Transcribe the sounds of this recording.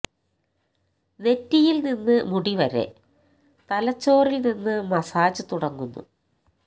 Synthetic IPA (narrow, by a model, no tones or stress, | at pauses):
ne̞tːijilninːɨmuɽiʋɐɾe̞̰ | t̪ɐlɐt͡ɕːo̞ːrilninːɨmɐsaːd͡ʑɨt̪uɽɐŋːunːṵ